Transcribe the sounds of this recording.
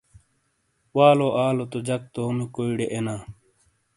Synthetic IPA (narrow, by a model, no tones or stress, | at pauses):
waːloʔaːlot̪od͡ʑɐk̚t̪oːmikoiɽeʔenaː